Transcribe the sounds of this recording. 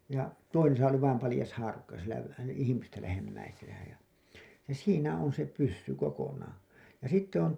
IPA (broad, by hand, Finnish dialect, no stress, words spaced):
jɑ toisesɑ oli ʋɑim pɑlĭjɑs hɑːrukːɑ sielæ læ ihimistæ læhemːæisenæ jɑ jɑ siːnæ on se pysːy kokonɑː jɑ sitːe on